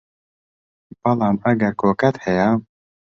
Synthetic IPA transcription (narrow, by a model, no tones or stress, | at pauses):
b̥ɐlˠɑːmɐɡɐɾkʰoːkɐt̪hɛja